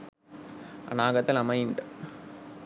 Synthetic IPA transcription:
ɐ̰naːɡɐt̪ːɐlɐmɐjɳɖɨ

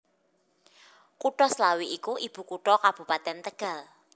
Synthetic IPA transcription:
kuʈɔslawiʔikuʔib̥ṳkuʈɔkab̥ṳpat̪ɛnt̪əɡ̥ä̤l

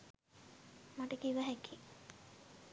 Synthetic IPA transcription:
maʈəkiʋəɦæki

